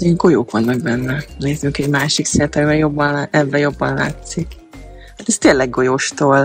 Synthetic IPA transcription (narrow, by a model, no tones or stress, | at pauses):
eːŋɡo̞joːkʋɒnːɒɡ̚bɛnːɛneːzyŋkɛɟmaːʃiksɛnt̪ɒmibɛjo̞bːɒnlaʔɛbːɛjo̞bːɒnla̰ːt̪sik | at̪ɛst̪eːnlːɛɡɡo̞joʃt̪oːl